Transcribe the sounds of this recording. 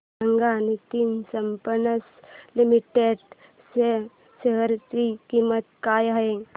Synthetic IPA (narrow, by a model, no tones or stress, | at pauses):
əŋɡanit̪iːnsəmpənəslimiʈeɖ | se | seɦəɾt̪ɾikimət̪kaːjɦae